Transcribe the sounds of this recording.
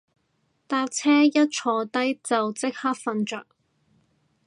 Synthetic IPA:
t̪aː˥k̚t͡sʰɛː˥jɐ˥t̚t͡ʃʰɔː˧t̪ɐ˥jt͡sɐ˨wt͡sɪ˥k̚haː˥k̚fɐ˧nt͡ʃœː˨k̚

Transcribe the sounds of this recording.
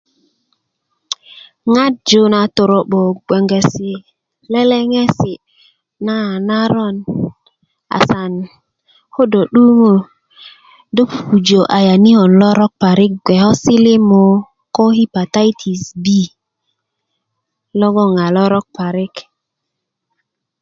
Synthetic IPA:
ŋa˦t̚d͡ʒo˦na˨to˨ɾo˨ɓo˨ɡʷe˨ŋɡe˨si˨ | le˦le˦ŋe˦si˨ | na˦˨na˦ɾo˦˨n | a̰˨sa˨n | ho˦do˨ɗu˦mo˦˨ | do˦phu˨d͡ʒo˨ʔa˨ja˨ni˦ho˨nlɔ˦ɾɔ˦k̚pa˨ɾi˦k̚ɡʷe˨hɔ˦si˦li˦mo˨ | ko˦hi˦pa˨t̪a˦jt̪ʰi˨sbi˦ | lo˦ɡo˦ŋa˨lɔ˦ɾɔ˦k̚pa˨ɾi˦k

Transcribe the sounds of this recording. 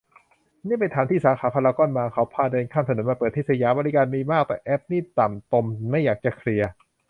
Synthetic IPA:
niː˥˩˨pa˧jt̪ʰaː˩˦mt̪ʰiː˥˩saː˨˦xaː˩˦pʰa˧laː˧kɔ˧˥˩nmaː˧kʰa˦˥wpʰaː˧˩da˧nkʰaː˥˩msa˧nuː˨˩˦maː˧pɤː˨˩t̪ʰːiː˥˩sʰa˧jaː˧˦mbɔː˧li˦˥kaː˧nmiː˧maː˥˩k̚t̪ɛː˨˩ʔɛ˦˥p̚niː˥˩t̪a˨˩mt̪o˧mma˥˩jːaː˨˩k̚t͡ɕa˨˩kʰɾi˧ɐ

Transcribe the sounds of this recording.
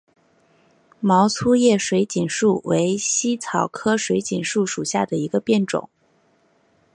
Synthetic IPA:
mɑ˧˥ʊt͡sʰu˥jɛ˥˩ʂwe˧˥ɪt͡ɕi˨˩nʂu˥˩we˧˥ɪɕi˥t͡sʰɑ˨˩ʊkʰɤ˥ʂwe˧˥ɪt͡ɕi˨˩nʂu˥˩ʂu˨˩ɕja˥˩d̪ə˩i˧˥ɡə˧pjɛ˥˩nʈ͡ʂʊ̰˨˩˦ŋ

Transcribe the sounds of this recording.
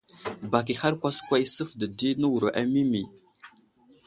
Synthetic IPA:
ba˨k̬i˨ha˦ɾkʷa˦skwa˦jsə˦fdə˨di˦nə˦wu˨ɾə˨ʔa˦mi˦mi˨

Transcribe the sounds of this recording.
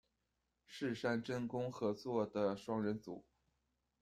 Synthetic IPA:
ʂɻ̩˥˧ʂa˥˧nʈ͡ʂə˥˩nkʊ˥ŋxɤ˧˥t͡swɔ˥˩d̪ə˩ʂwɑ˥ŋɻə˧˥nt͡sṵ˨˩˦

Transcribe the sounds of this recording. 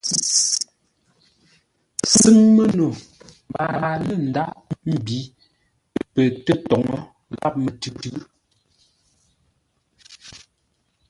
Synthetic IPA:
sɨ˦ŋmə˦no˨ | m˨ba˨a˨lə˦˨n̩˨da˦ʔm̩˦˨bi˨˦ | pə˨tə˦tɔ˨ŋɔ˦ | la̰˦˨p̚mə˨tʉ˨˦tʉ˦

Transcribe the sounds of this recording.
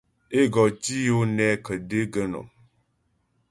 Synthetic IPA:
e˦ɡɔ˨ti˦jo˦nɛ˦kə˨de˦ɡə˦nɔ̰˨

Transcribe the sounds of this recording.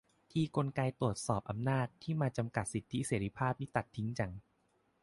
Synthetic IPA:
t̪ʰiː˧ko˧nkaː˧jt̪ɾu˨˩ət̪̚sɔː˨˩p̚ʔa˧mnaː˥˩t̪ʰːiː˥˩maː˧t͡ɕa˧mka˨˩t̪̚si˨˩t̪ʰːi˦˥seː˩˦ɾi˦˧˥pʰaː˥˩p̚nʰiː˥˩t̪a˨˩t̪ʰːi˦˥ŋt͡ɕa˧˩ŋ

